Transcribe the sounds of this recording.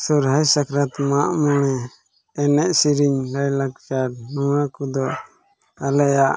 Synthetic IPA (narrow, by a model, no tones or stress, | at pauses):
suɾɦajsakʰɾat̪maʔmɔnɛː | nɛʔsiɾiɲɾajlakt͡ʃaɾnɔwakud̪ɔ | alɛjaʔ